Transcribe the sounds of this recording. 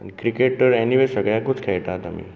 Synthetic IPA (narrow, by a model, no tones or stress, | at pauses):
nikɾikeʈːəɾɛniʋesəɡɭjakut͡skʰɛjʈ̪at̪a̰mḭː